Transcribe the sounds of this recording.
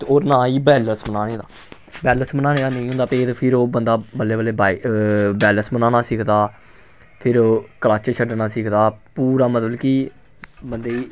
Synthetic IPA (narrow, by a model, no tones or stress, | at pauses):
t̪ːoːɾnaːiːbɛːləɾsmənaːneːd̪aː | bɛːləsmənãːnẽːd̪aːnəĩːɦʊ̃nd̪aːpeːt̪pʰɪɾoːbənd̪aːbəlːeːbəlːeːbaːibɛːlənsmənãːnaːsɪkʰd̪aː | pʰɪɾːkəlaːt͡ʃt͡ʃʰəɖnaːsɪkʰd̪aːpuːɾaːmət̪əlkiː | bənd̪eːiː